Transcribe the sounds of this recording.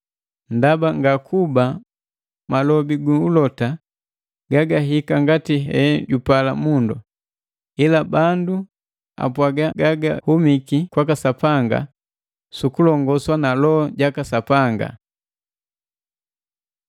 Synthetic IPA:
ndabaŋɡakʰuba | malɔbiɡuulɔta | ɡaɡaɦikaŋɡatiɦɛ̰ɟupala̰mundu | ilabandu | a̰pwaɡaɡaɡa̰humikikwakasapaŋɡa̰ | sukulɔŋɡɔswanalɔːɟakasapaŋɡa̰

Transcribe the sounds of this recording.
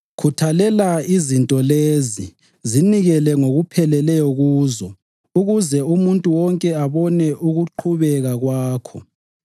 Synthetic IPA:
kʰutʰalɛlaizintʼɔlezi | ziniɣɛlɛŋoɣupʰɛlɛlɛjɔɣuːzɔ | uɣuzɛumuntʼuwɔŋkʼɛaβɔnɛʔuɣuǃʰuβɛɣaɣwaːkʰɔ

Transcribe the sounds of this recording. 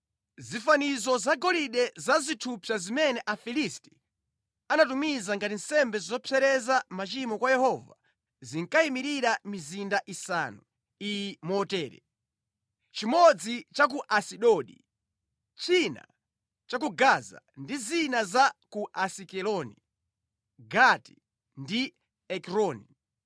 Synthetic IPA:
zifanizɔzaɡɔliɗɛzazitʰupʰazimɛnɛʔafilisti̥ | anatumizaŋɡatin̩sɛmbɛzizɔpʰɛɾɛzamat͡ʃimɔkwajɛhɔva̰ | ziŋkaimiɾiɾamizindaʔisa̰nu | ijmɔtɛːɾɛ̰ | t͡ʃimɔd͡zit͡ʃak̬uʔasiɗɔɗḭ | t͡ʃʰina̰ | t͡ʃakuɡaza̰ndizinazakuʔasikɛlɔni | ɡati̥ | ndi | ɛkɾɔːni

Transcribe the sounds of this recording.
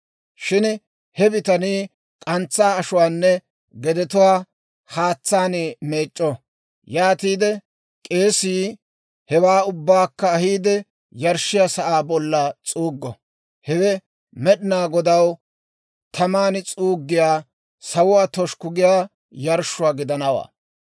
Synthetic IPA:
ʃɪn | hɛbɪt̪ɐniː | kʼɐnt͡sːaːɐʃʊwaːnːɛ | ɡɛd̪ɛt̪ʊwaː | haːt͡sːaːneme̞ːt͡ʃʼːɔ | jaːt̪iːd̪ɛ | kʼe̞ːsiː | hɛwaːʊbːaːkːɐːhiːd̪ɛ | jɐɾʃɪjasɐʔaːbɔlːɐt͡sʼuːɡːɔ | hɛwɛ | mɛɗɪnaːɡɔd̪ɐw | t̪ʰɐmaːnt͡sʼuːɡːɪjaː | sɐwʊwaːt̪ɔʃkʊɡɪjaː | jɐɾʃʊwaːɡɪd̪ɐnɐwa̰ː

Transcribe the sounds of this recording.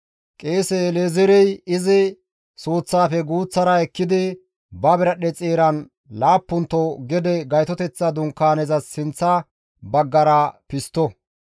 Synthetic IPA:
kʼeːsɛleːzɛɾɛjɪzɪ | suːt͡sːaːfɛɡuːt͡sːɐɾɐɛkːɪd̪ɪ | bɐbɪɾɐɗɛt͡sʼeːɾɐn | laːpːʊnt̪ːɔɡɛd̪ɛɡɐjt̪ɔt̪ɛt͡sːɐd̪ʊŋkːaːnɛzɐsːɪnt͡sːɐ | bɐɡːɐɾɐpɪst̪ːɔ

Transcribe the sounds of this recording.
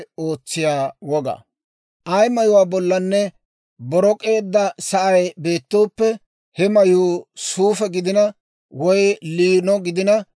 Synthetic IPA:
o̞ːt͡sːɪjaːwɔɡɐ̰ | ʔɐjmɐjʊwaːbɔlːɐnːɛ | bɔɾɔkʼe̞ːd̪ːɐsɐʔɐjbe̞ːt̪ːoːpːɛ | hɛmɐjuːsuːfɛɡɪd̪ɪnɐ | wɔjliːnɔɡɪd̪ɪnɐ

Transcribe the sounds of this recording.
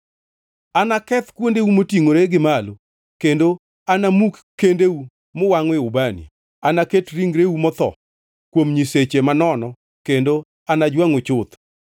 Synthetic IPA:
anakɛt̪kwondeumotiŋoɾeɡɪmalo | kendo | anamukkːendeu | mʊwaŋwɪʊbanḭ | anaketɾiŋɡɾeumɔt̪ɔ̰ | kwomɲiset͡ʃemanɔnɔ | kendo | anad͡ʒwaŋot͡ʃʊt̪

